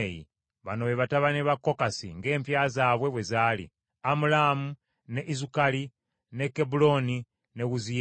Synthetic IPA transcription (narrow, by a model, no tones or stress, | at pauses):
jḭ | βano̞βeβataβaneβakːo̞kasḭŋɡe̞ːmpjaːzaːβwe̞βwe̞zaːlḭ | amulamu | ne̞ʔizukali | ne̞kebulo̞ni | neɣuzi